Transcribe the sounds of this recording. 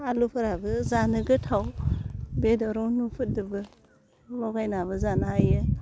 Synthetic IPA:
alupʰɯɾabɯzanɯɡɯtʰaw | bedɔɾɔnupʰɯt̚dɯbɯ | lɔɡajnaβɯzanaajɯ

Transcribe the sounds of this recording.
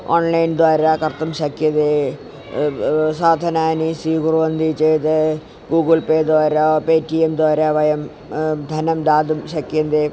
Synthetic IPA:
oːnlɐjnd̪waːɾaːkɐrt̪ːɐmɕɐkjɐd̪e | saːd̪ʱɐnaːnisiɡuruʋɐnd̪ʱit͡ɕejt̪ɨ | ɡuːɡɨlpeːd̪aːɾapeːtːiemd̪aːɾaʋɐjɐm | d̪ʱɐnɐmd̪aːd̪umɕɐkjɐnd̪e

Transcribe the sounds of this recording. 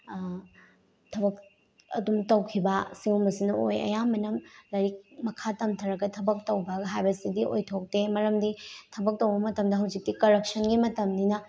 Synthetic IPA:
tʰɐbɐk̚ | ɐ̰dumtɐwkʰibɐsiwumɐsinɐojɐ̰jamɐnɐmlɐɾik̚mɐkʰatɐmtʰɐɾɐɡɐtʰɐbɐk̚tɐwbɐɡɐɦajbɐsidiʔo̰jtʰok̚temɐɾɐmditʰɐbɐk̚tɐwbɐmɐtɐmdɐɦɐwd͡ʒik̚tikɐɾek̚sɐnɡimɐtɐmninɐ

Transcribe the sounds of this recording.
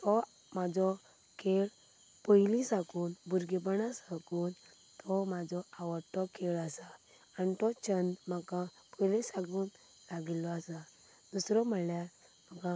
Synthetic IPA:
t̪ɔ | mad͡zɔ | kʰeɭ | pɔjlisãkuːnbuɾɡep̬ənasakuːn | t̪ʰɔmad͡zɔaʋəɾt̪ɔkʰeɭasaː | nit̪ɔt͡ɕənd̪makã | pɔjlɛsãɡuːn | laɡilːɔasa | d̪usɾɔm̤əlja | məkã

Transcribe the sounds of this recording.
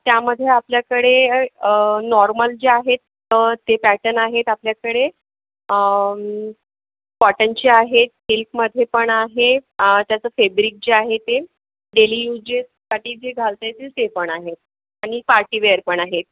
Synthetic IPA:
t̪jaməd̪ʱːjeapljakəɽe | nɔɾməld͡ʑeaɦet̪ː | ət̪epæʈənaɦet̪apljakəɽe | ə | pɔʈənt͡ɕeaɦet̪̚hilkməd̪ʱjepəɳaɦet̪jat͡səːfebɾik̚d͡ʑeaɦet̪e | ɖelijud͡ʑessaʈiːd͡zeɡʱalt̪ajt͡sesepəɳaɦet̪̚ | aɽ̃ipaɾʈiʋeəɾpəɳaɦet̪̚

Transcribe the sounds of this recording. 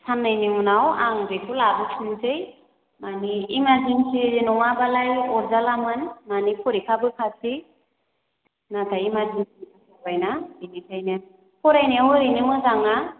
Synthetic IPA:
sʰanːɯjniunawa̰ŋbɯkʰulabɯkʰɯnzɯj | maniːmazinsʰinɔŋabalajɔɾzalamɯnmanipʰuɾikʰabɯkʰasʰi | natʰaimazinsinikʰakʰabajnainitʰajnɯ | pʰɔɾajneuɾinɯmɯzaŋa

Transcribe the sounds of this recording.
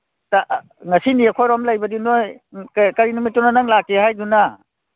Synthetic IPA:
ta | ŋɐsiniakʰɔjɾɔmlajbɐdinoj | kkaɾinumitːɔnanaŋlak̚ehajduna

